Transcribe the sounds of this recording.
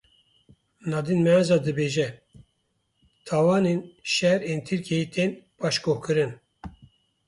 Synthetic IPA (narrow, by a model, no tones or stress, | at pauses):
nɑːd̪inmɛanzɑːd̪ɨbeːʒɛ | t̪ʰɑːwɑːneːnʃɛɾeːnt̪ʰɨɾkejit̪ʰeːnpɑːʃkoːhkɨɾɨn